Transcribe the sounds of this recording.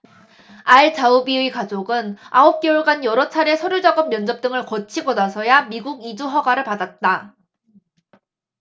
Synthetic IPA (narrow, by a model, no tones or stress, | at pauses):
aiɭt͡ɕaubiikad͡ʑoɡɯnaop̚k͈euɭɡanjʌɾʌt͡ɕʰaɾe̞sʰʌɾjuɭd͡ʑaɡʌmːjʌnd͡ʑʌp̚t͈ɯŋɯɭkʌt͡ɕʰiɡonasʰʌjamiɡuɡid͡ʑuɦʌɡwaɾɯɭpadat̚t͈a